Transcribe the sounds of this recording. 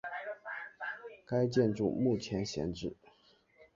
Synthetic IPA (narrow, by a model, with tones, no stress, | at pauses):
ka˥ɪt͡ɕjɛ˥˧nʈ͡ʂu˥˧mu˥˩t͡ɕʰjɛ˧˥nɕjɛ̰˧˥nʈ͡ʂɻ̩˥˩